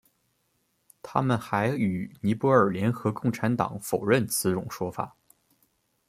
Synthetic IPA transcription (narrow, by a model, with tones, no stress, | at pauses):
t̪ʰa̰˥mə˨nxa˧˥ɪy˨˩ni˧˥pwɔ˧˥ə˞˨˩ljɛ˧˥nxɤ˧˥kʊ˥˩ŋʈ͡ʂʰa˧˥nt̪ɑ̰˨˩˦ŋfo˨˩ʊɻə˥˩nt͡sʰɹ̩˧˥ʈ͡ʂʊ˨˩˦ŋʂwɔ˥fa̰˨˩˦